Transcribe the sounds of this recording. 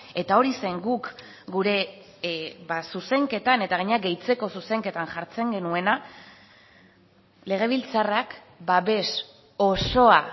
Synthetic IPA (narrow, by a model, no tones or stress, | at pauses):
e̞t̪ao̞ɾise̞ŋɡuk | ɡuɾe̞ | basuse̞ŋke̞t̪ane̞t̪aɣ̞aɲeaɡe̞jt͡se̞ko̞suse̞ŋke̞t̪anʝaɾt͡se̞ŋɡe̞nue̞na | le̞ɣ̞e̞β̞ilt͡sarak | baβe̞s | o̞so̞a